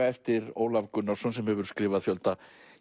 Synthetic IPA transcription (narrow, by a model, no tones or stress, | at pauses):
aɛft̪ɪɾo̰ːwlavkʏnːawsɔnsɛmhɛvʏɾ̥skɾɪːvaðfjœlt̪a